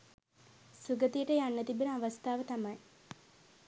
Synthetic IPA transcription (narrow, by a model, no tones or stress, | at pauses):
suɡət̪ijəʈəjanːət̪ibənəaʋɐst̪ʰaːʋət̪amɐj